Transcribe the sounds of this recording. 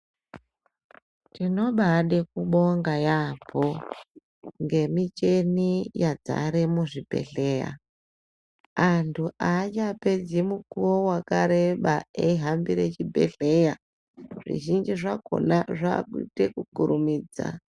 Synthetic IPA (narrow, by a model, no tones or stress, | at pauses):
tino̞ɓaɗekuɓo̞ŋɡajapʰo | ŋɡe̞mit͡ʃe̞nijad͡za̰ɾemuʐibʱe̞̰ɬe̞ːja̰ | antʰuʔat͡ʃape̞d͡zimukuwowakaɾe̞ɓaeiɦambiɾet͡ʃibʱe̞̰ɬe̞ja | ʐ̥ḭʒind͡ʒiʐako̞̰naʐa̰kutekukuɾumiːd͡za̰